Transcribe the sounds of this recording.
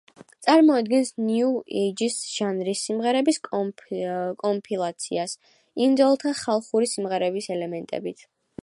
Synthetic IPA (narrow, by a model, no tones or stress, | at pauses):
t̪sʼaɾmɔad̪̚ɡɛnsnjuɛd͡ʒisʒ̥anɾisːimʁɛɾɛbisʼ | kʼɔmpʰilˠat̪sʰḭas | imd̪ɔlˠt̪ʰaχalˠχuɾisimʁɛɾɛbisɛlɛmɛnt̪ʼɛ̰bit̪ʰ